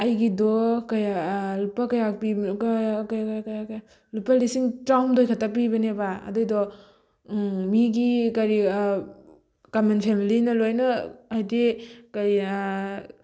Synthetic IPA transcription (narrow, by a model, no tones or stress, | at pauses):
ɐjɡidɔkɐjalupɐkɐjapi | kajakjakɐjakja | lupːɐlisiŋtɾawmdojkʰatap̬ibɐnebaɐ̰dojdɔ | miɡikɐɾi | kamenpʰemilinɐlojnɐajdekɐj